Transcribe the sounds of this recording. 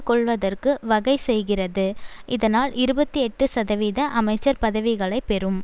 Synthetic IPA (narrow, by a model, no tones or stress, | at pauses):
kɔɭʋɐðɐrkɯʋɐɣɐɪsɛjɣɪrɐðɯʔɪðɐnaːlɪɾɯbɐt̪ːiɛʈːɯsɐðɐʋiːðɐʔɐmɐɪt͡ʃːɐɾpɐðɐʋɪɣɐɭɐɪpːɛɾɯm